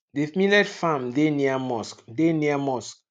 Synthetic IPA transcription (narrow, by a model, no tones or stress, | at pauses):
demĩlɛdfãmdeniamɔskdeniamɔsk